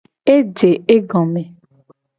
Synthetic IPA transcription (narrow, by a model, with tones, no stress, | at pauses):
e˦d͡ʒe˨e˦ɡɔ̃˨me˨